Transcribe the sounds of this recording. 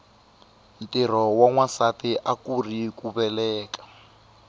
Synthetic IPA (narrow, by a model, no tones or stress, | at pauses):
n̩tir̤ɔwaŋwasatiʔakurikuβɛlɛːkḁ